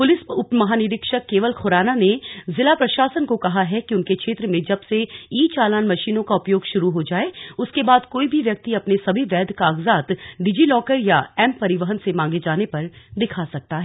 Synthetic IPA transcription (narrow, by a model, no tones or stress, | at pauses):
pʊlɪsʊpmɐɦaːnɪɾɪkʃəkːeːʋəlxʊɾaːnanezɪlapɾɐʃaːsənkokɐɦaɦɛkiʊnkekʃʰeːt̪ɾəmẽd͡ʒɐbseiːt͡ʃaːlaːnmɐʃiːnõkaʊpjoːɡʃʊɾuɦod͡ʒaːeʊskebaːd̪koːibʱiʋjɐk̚t̪iɐpnesɐbʱiʋɛːd̪kaːɡzaːt̪ɖɪd͡ʒilɔːkəɾjaɛːmpɐɾɪʋəɦənsemãːŋɡed͡ʒaːnepɐɾd̪ɪkʰasɐk̚t̪aɦɛː